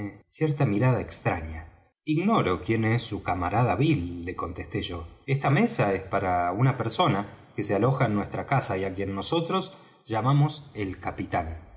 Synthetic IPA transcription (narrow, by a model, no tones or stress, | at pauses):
sjeɾt̪amiɾað̞aekst̪ɾaɲa | iɣno̞ɾo̞kjenesːukamaɾaðaβilːe̞ko̞nt̪est̪e̞ʒo̞est̪ame̞saespaɾaunape̞ɾso̞nake̞sealo̞xaenːwe̞st̪ɾakasaiakje̞nːo̞so̞t̪ɾo̞s | ʒ̥amamo̞se̞lkapit̪an